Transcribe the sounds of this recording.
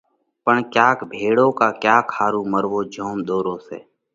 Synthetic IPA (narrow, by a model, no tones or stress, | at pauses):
pəɳkjaːkbʱeːɽõːkaːkjaːkʰaːɾuːməɾʋoːd͡ʒʱoːmd̪oːɾõːsḛː